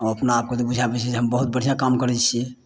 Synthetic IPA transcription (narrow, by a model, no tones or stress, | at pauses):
əəpnaːp̚ket̪obud͡ʒʱabɛt͡ʃʰid͡ʒeɦəmbəɦut̪̚bəɽ̤ijãkamkəɾɛt͡ʃʰi